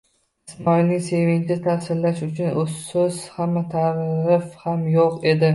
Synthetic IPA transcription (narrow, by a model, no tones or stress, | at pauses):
ɪsmɒjnɪse̞vɪŋʲt͡ʃ̪ʰɪt̪ʰahsɪllaʃʊt͡ʃʰʊnʔossʊz̥hamːat̪ʰaɾɪfhamjoqe̞d̪ɪ